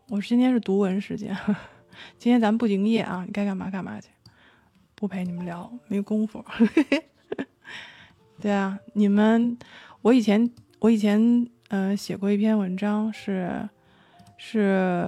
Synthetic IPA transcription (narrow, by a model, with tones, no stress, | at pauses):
wɔ˨˩˥t͡ɕi˥nt̪ʰjɛ˥nʂɻ̩˥˩t̪u˧˥wə˧˥nʂɻ̩˧˥t͡ɕjɛ̰˥n˩ | t͡ɕi˥nt̪ʰjɛ˥nt͡sa˧mə˧pu˥˩t͡ɕi˧˥ŋjɛ˥˩ʔɐ̰˩ni˨˩ka˥ɪka˥˩nma˧˥ka˥˩nma̰˧˥t͡ɕʰi˧˩˦ | pu˥˩pʰe˧˥ɪni˨˩mə˦nljɑ˧˥ʊme˧˥ɪjo˨˩ʊkʊ˥ŋfu˨˩˥ | t̪we˥˩ɪa˩ni˨˩mə˦nwɔ˧˥i˨˩t͡ɕʰjɛ˧˥n | wɔ˧˥i˨˩t͡ɕʰjɛ˧˥n | ə˧ɕjɛ˨˩kwɔ˥˧i˥˩pʰjɛ˥˧nwə˧˥nʈ͡ʂɑ˥ŋʂɻ̩˥˧ | ʂɻ̩˥˩